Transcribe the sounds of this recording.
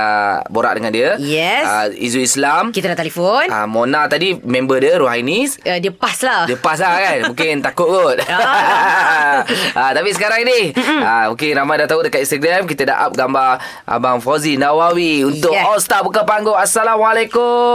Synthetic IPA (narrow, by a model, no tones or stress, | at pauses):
ə̰boɾa̰ʔ̚dəŋandiəjɛsa̰ḭzuislamkit̪ədat̪ɛlifona̰monat̪adimɛ̃mbədiəɾuɦanisdiəpasladiəpas̬lahkanmũŋkɪnt̪akʊt̪̚ɡot̪̚ | ət̪apisəkaɾaŋnihamũŋkɪnɾamajdaht̪audəkat̪̚inst̪əɡɾamkit̪əda̰ʔa̰p̚ɡamba | ʔa̰baŋfazinawawiunt̪ʊkɔlst̪abukapaŋɡoasalamalakʊ